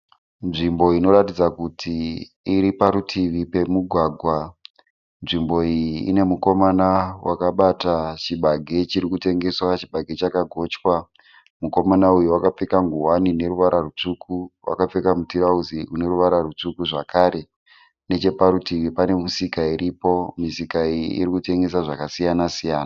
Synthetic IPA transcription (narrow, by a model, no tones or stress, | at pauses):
nʐimbo̞ino̞ɾatid͡zakutʰiː | ɾipaɾutʰiʋipe̞muɡʱwaːɡʱwa | nʐimbo̞ijiːne̞muko̞manawakaɓatat͡ʃiɓaɡʱe̞t͡ʃiɾikute̞ŋɡe̞swat͡ʃiɓaɡʱe̞t͡ʃakaɡʱo̞t͡ʃwa | muko̞manaujuwakap͡fekaŋɡuwanine̞ɾuʋaɾarut͡ʂukuwa̰kap͡fekamutiɾauziune̞ɾuʋaɾarut͡sukuʐakʰaːɾe̞ | ne̞t͡ʃe̞paɾutiʋipane̞musikaiɾʔipo̞misikaijiḭrikute̞ŋɡe̞saʐakasijanasijaːna